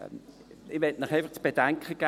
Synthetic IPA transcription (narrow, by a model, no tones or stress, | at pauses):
ɪvɛtmɪχaɪfaχt͡sb̥ed̥aŋkʰəɡ̥a